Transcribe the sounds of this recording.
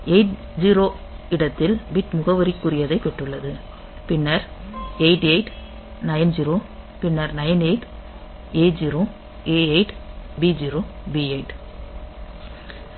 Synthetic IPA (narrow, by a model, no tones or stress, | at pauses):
eɪʈ̚ | d͡ʒiːɾoː | ɪɽɐt̪ːɪlbɪʈmʊɣɐʋɐɾɪkːʊɾɪjɐðɐɪkːɛʈːɯɭːɐðɯ | pɪnːɐɾeɪʈɐɪʈ | nɐjɐnd͡ʒiɾoːpɪnːɐɾnɐjɐneɪʈ | eːd͡ʒiɾo | eːɐɪʈbid͡ʒiːɾoːbiɐɪʈ